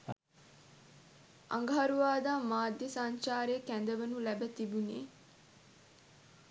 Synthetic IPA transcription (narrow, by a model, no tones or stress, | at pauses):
ʔa̰ŋɡɦaɾuʋaːd̪aːmaːd̪jəsaɲt͡ʃaːɾjəkænd̪əʋənulæbət̪ibuneː